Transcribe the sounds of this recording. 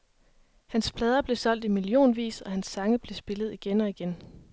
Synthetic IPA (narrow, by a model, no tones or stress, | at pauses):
hænsb̥ʰlɛð̞ˠɐb̥le̝sɒ̽l̰d̥imilio̝̰ːnʋḭːsɒ̽hænsːɑ̈ŋəb̥le̝sb̥e̝lð̞̩ˠiɡ̥enɒ̽iɡ̥en